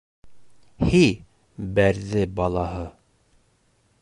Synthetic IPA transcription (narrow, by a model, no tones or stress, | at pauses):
hi | bæɾðɘbɑlˠɑɦɤ